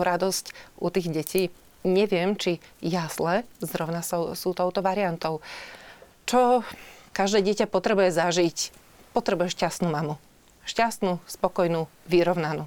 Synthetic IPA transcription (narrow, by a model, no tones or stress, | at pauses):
ɾad̪ɔscʔut̪iːɣɟɛcʰiː | ɲɛʋɪɛmt͡ʃijaz̥lɛzɾɔʊnasɔsuːt̪ɔʊt̪ɔʋaɾiant̪ɔʊ | t͡ʃɔkaʒd̪ɛːɟɪɛcapɔt̪ɾɛbujɛzaʒic | pɔt̪ɾɛbujɛʃcast̪nuːmamu | ʃcast̪nuspɔkɔjnuː | ʋiɾɔʊnanu